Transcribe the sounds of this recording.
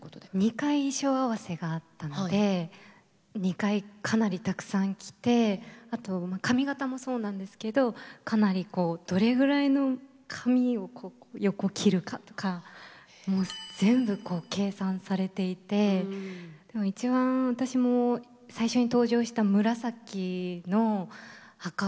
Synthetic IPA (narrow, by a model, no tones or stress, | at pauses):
ɲ̟ikaiɕo̞ːaβase̞ɡaːt̪ːanod̪e̞ | ɲ̟ikaikʰanaɾʲit̪akɯ̟̥sãŋkʲi̥t̪e̞at̪o̞makamʲiɡat̪amo̞so̞ːnãnd̪e̞sɨ̥ke̞d̪o̞kanaɾʲiko̞ːd̪̥o̞ɾe̞ɡɯ̟ɾaino̞ | kʰamʲio̞kʰo̞ːojo̞kokʲʰiɾɯ̟kat̪o̥ka | mo̞ːz̥ẽ̞mbɯ̟ko̞ːke̞ːsãɰ̃saɾe̞t̪e̞it̪e̞ | d̪̥e̞mo̞it͡ɕibãɰ̃βat̪aɕimo̞ | saiɕo̞ɲ̟it̪o̞ːʑo̞ːɕi̥t̪amɯ̟ɾasakʲːino̞ | haka